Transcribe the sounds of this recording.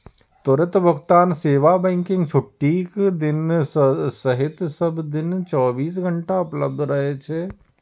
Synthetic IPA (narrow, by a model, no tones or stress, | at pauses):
t̪oɾɪt̪bʱəɡt̪aːnseːʋabɛ̃ːŋkɪ̃ŋɡsʰʊʈːiːkd̪ɪn | sɐɦɪt̪sɐbd̪ɪnt͡ʃɔːbiːs̬ɡʱɐɳʈaʊpləb̚d̪ʱɾɐɦet͡ʃʰe